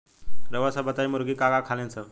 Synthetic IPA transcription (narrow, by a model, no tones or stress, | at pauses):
ɾəʋasabət̪ajmuɾɡiːkaɡakʰalẽnt͡sə